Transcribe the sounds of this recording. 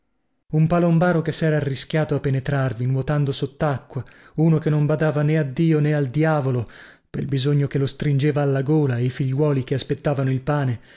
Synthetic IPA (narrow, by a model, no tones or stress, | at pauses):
umpalombaːɾokesːɛːɾaːrːisk̟jaːt̪oapːenet̪ɾarvinwot̪and̪osot̪ːakːwa | uːnokenːombad̪aːvanead̪ːiːoneald̪jaːvolo | pelbizoɲːokelːost̪ɾind͡ʒeːvaːlːaɡoːlaejfiʎːwɔːlikeaspet̪ːaːvanoilpaːne